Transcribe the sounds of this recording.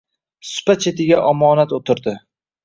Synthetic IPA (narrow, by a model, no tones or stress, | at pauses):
sʊ̥pat͡ʃʰet̪ɪɡʲaʔɒmɒnat̪ot̪ʰɪɾd̪ɪ